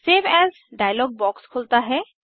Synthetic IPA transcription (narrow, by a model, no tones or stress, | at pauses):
seːʋɛz | ɖajlɔɡ̚bɔkskʰolt̪aɦɛ